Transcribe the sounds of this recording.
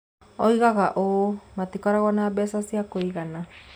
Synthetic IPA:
ojɣaɣaʔomat̪ikoɾaɣonabesasiakoiɣana

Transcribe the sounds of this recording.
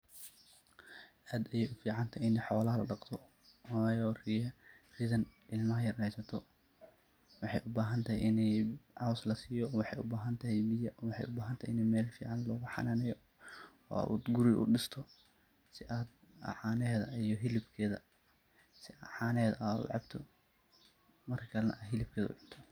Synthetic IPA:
ʔaːd̪ɐjɛːjʔʊfiːʕɑnt̪ʰɐɪnɛħɔːlɐɦɐlɐɖɑqt̪ʰɔ | jɔːrijɛriːðɐnɪlmɐɦɐjɐrɛjsɐt̪ʰɔ | wɑħɑjʔʊbaːɦɐnt̪ʰɐhɛjʔɪnɛjʕɑwslɐsiːjɔwɑħɑjʔʊbaːɦɐnt̪ʰɐɦɛbijɐwɑħɑ̰jʊbaːɦɐnt̪ʰɐɪnɛmɛːlfiːʕɑnlɔːɣʊħɑ̰naːnɛjɔ | ɔ̰ːa̰ṵd̪ɡʊɾɪʔʊ̰ɖɪst̪ʰɔ | sɪʔaːd̪ | ɐ̰ʕɑːnɛːðɐijɔɦɪlɪbkʰɛːðɐ | sɪɐʕɑːnɛːðɐʔaːd̪ʊ̰ʕɑbt̪ʰɔ | mɐrkʰɐlɐnɐ̰ʔaːɦɪlɪb̚kʰɛːðɐʊ̰ʕʊnt̪ʰɔ

